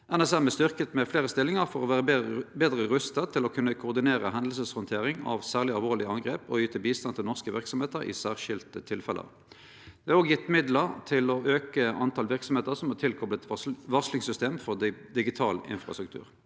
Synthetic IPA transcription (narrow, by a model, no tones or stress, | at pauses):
ʔænɛsɛmɛst̪ʏʁkət̪mɛfleːʁəst̪ɪlɪŋəʁfɔʁɔʋæːʁəbeːd̪ʁəɾʉst̪ət̪ʰɪlɔkʰʉnːəkʰʊːʁd̪ɪneːʁə̰ɦɛnd̪l̩səshɔnt̪ʰeːʁɪŋɑ̰ʋsæːʁlɪɑlʋoːlɪɑŋɡʁeːpɔ̰yːt̪ʰəbiːst̪ɑnt̪ʰɪlnɔʁskəʋɪ̰ʁksɔmheːt̪əɾɪ̰sæːʁʃɪlt̪ət̪ʰɪlfɛlʔə̰ʁ | d̪ɛːɑʁoːɡjɪt̪ːmɪd̪ləʁt̪ʰɪlɔʔøːkəɑnt̪ʰɑːlʋɪʁksɔmheːt̪əʁsɔmhɑt̪ɪlkʰɔblət̪ʋɑʁslɪŋsʏst̪eːmfɔʁd̪ɪɡɪt̪ʰɑ̰ːlɪ̰nfʁɑ̰st̪ʁʉkt̪ʰʉ̰ːʁ